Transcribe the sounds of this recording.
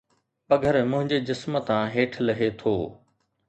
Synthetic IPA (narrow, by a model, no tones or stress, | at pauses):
pɐɡʱəɾmʊ̃ɦɪ̃ɲd͡ʑed͡ʑɪsm̆t̪ãɦeːʈʰlɐɦet̪ʰoː